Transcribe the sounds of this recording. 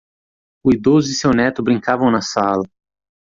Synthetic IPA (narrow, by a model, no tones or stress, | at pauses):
ʊid̪ozɪsewnɛt̪ʊbɾĩŋkavɐ̃w̃nɐsalɐ